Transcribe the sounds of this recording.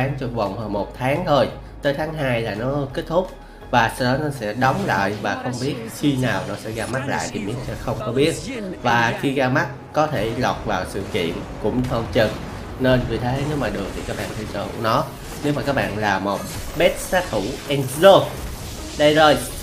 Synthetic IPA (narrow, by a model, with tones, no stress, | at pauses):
aː˨˦ŋt͡ɕɔ˧və˨˩wŋ͡mhəː˧mo˨˩t̚t̪ʰaː˨˦ŋt̪ʰo˧j | t̪əː˨˦jt̪ʰaː˨˦ŋɦaː˧jlaː˨˩nɔ˨˦ke˦˥t̚t̪ʰʊ˦˥k͡p̚ | vaː˨˩sa˧wɗɔ˨˦nɔ˨˦sɛ̰˧˥ɗɔ˨˦wŋ͡mla̰ː˧˨jvaː˨˩xə˧wŋ͡mɓi˦˥ət̚xi˧naː˨˩wnɔ˨˦sɛ̰˧˥ɣaː˧ma˦˥t̚la̰ː˧˨jt̪ʰi˨˩mḭ˨˧˥ənsɛ̰˧˥xə˧wŋ͡mkɔ˨˦ɓi˦˥ət̚vaː˨˩xi˧ɣaː˧ma˦˥t̚kɔ˨˦t̪ʰe˧˩lɔ˨˩k͡p̚vaː˨˩wsɨ̰˧˨kḭ˧˨ən | kʊ̰˧˥ŋ͡mt̪ʰə˧wt͡ɕə˨˩n | ne˧nvi˨˩t̪ʰə˨˦ne˧˦wmaː˨˩ɗɨ˨˩ək̚t̪ʰi˨˩kaː˦˥k̚ɓa̰ː˧˨nt̪ʰi˧˩t͡ɕə̰˧˩ṵ˧˩ənɔ˨˦ | ne˨˦˥wmaː˨˩kaː˦˥k̚ɓa̰ː˧˨nlaː˨˩mo˨˩t̚ | ɓɛ˦˥t̚saː˦˥t̪ʰu˧˩ʔɛ˧nzo˧ | ɗə˧jzo˨˩j